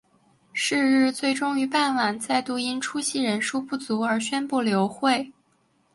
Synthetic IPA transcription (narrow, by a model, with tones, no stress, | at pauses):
ʂɻ̩˥˧ɻɻ̩˥˧t͡swe˥˩ɪʈ͡ʂʊ˥ŋy˧˥pa˥˩nwa˨˩nt͡sa˥˧ɪt̪u˥˩i˥nʈ͡ʂʰu˥ɕi˥˩ɻə˧˥nʂu˥pu˥˩t͡su˧˥ə˞˧˥ɕɥɛ˥npu˥˩ljo˧˥ʊxwe˥˩ɪ